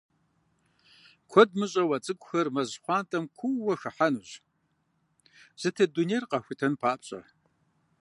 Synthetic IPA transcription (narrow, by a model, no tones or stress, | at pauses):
kʷʰɔd̚mɨɕʼɐwɐt͡sʼɨɡʷʼʊxɐrmɐʑχʷɑːntʼɐmkʷʰuwɐxɨħanuʑ | z̥ɨtʰɐdunejrqɐxʷitʰɐnpʰaːpʼɕʼɐ̰